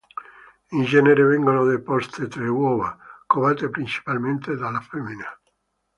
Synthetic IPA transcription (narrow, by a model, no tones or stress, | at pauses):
ind͡ʒɛneɾevɛŋɡonod̪epɔst̪et̪ɾewɔva̰koβɛt̪epɾint͡ʃi̥palment̪ed̪alafemːina